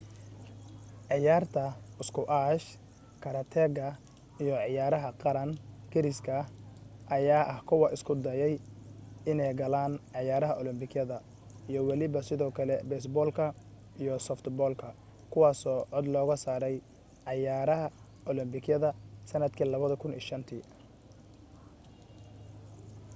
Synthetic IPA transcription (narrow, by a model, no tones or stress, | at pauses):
ʕɪjaːrt̪ʰɐʊskʰʊʔaːʃ | kʰɐɾɐt̪ʰɛːɡɐ | ijɔʕɪjaːɾɐɦɐqɑɾɐŋkʰɪɾɪskʰɐʔɐjaːʔɐhkʰʊwɐʔɪskʰʊd̪ɐjɛj | ɪnɛjɡɐlaːnʕɪjaːɾɐɦɐʔɔlɪmbɪɡjɐðɐ | ijɔwɑlɪβɐsɪðɔːkʰɐlɛbɛːsbɔːlkʰɐ | ijɔsɔft̪bɔːlkʰɐ | kʰʊwɑːsɔːʕɔd̪lɔːɣɐsaːɾɛj | ʕɑjaːɾɐɦɐ | ʔɔlɪmbɪɡjɐðɐsɐnɐd̪kʰiːlɐβɐðɐkʰʊnḭːʃɐnt̪ʰiː